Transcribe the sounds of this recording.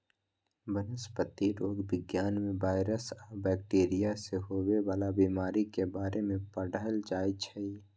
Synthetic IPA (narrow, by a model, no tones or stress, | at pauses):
bənəspət̪ːiɾoːɡbɪɡjaːnmẽbaːɪɾəsɔːɾbɛːk̚ʈeːɾijaseɦoːweʋaːlabiːmaːɾikebaːɾemẽpəɽəəld͡ʒaːit͡ʃʰəi